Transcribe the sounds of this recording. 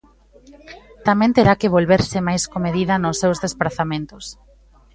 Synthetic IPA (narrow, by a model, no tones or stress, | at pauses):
t̪amẽnt̪eɾakɪβ̞olβeɾsɪmajskomeðiðɐnʊsːewzðespɾaθamẽnt̪ʊs